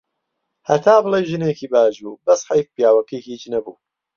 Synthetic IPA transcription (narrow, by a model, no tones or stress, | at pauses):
hɐt̪ʰaːbɨlˠejʒɨnekiːbaːʒbuːbɐsħajk̚pijaːwɐkihiːt͡ʃnɐbuː